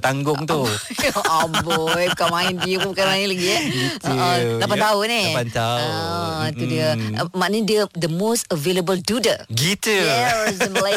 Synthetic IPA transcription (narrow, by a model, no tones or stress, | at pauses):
t̪aŋɡʊŋt̪u | abɔjukamãɪnbiəpbukamaĩnlaɡiit̪əʔə̃lapant̪aʊnepant̪aʊt̪udiəmandəd̪əmosəveləbəldudəɡit̪uɛzənla